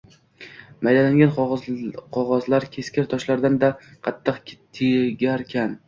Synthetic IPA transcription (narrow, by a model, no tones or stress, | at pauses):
majd̪anaŋɡʲan | qʰɒʁɒzlaɾkʲʰe̞skʲʰɪɾt̪ʰɒʃlaɾd̪and̪aqʰɑt̪ʰːɨqʲt̪ʰeɡʲaɾkʲʰan